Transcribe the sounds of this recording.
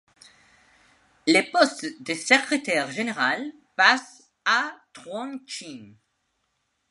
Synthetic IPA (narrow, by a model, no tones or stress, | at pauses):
lepɔst̪d̪əsəkχet̪ɛʁʒeneʁal | pas | at̪ʁɔ̃nt͡ʃin